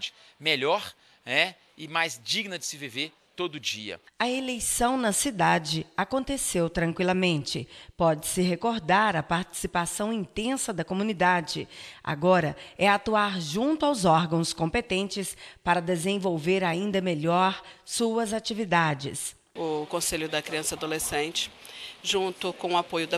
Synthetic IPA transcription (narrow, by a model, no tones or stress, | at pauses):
d͡ʒɪ̥ | meʎɔɾ | ɛ | ɪmajzd͡ʒiɡnɐd͡ʒɪsɪviveɾ | t̪od̪ʊʊd͡ʒḭɐ̰ | ɐelejsɐ̃w̃nɐsid̪ad͡ʒɪakõnt̪esewt̪ɾɐ̃ŋkwilɐmẽnt͡ʃɪpɔd͡ʒɪsɪɦekoɾd̪aɾɐpaɾt͡ʃi̥sipasɐ̃w̃ĩt̪ẽsɐd̪ɐkomũnid̪ad͡ʒɪa̰ɡɔɾɐɛat̪uaɾʒũnt̪ʊawzɔɾɡɐ̃w̃skõmpet̪ẽnt͡ʃɪspaɾɐd̪ezẽvowveɾaĩnd̪ɐmeʎɔɾsuɐzat͡ʃivid̪ad͡ʒɪ̰s | ʊkõseʎʊd̪ɐkɾiɐ̃sɐad̪olesẽnt͡ʃɪ̥ʒũnt̪ʊkõw̃ʊapojʊd̪ɐ